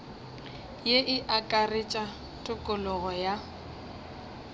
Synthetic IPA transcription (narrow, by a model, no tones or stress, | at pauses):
jeʔɪʔakʼarɪt͡ʃʼa | tʼʊkʼʊlʊɣɔja